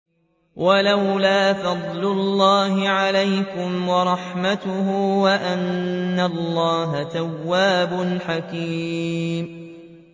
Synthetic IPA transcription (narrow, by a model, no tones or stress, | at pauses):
wʔalawlaːfɑd̪ˤlʊlːɑːɦɪʕalajkʊmwɑɾˤɑħmat̪ʊhʊwaʔanːalˤːɑːɦat̪awːaːbʊnħakiːm